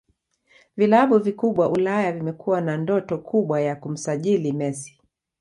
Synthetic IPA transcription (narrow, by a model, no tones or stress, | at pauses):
vilaɓuvikuɓwaʔulajavimɛkuwanandɔtɔkʰuɓwajakum̩saʄilimɛsi̥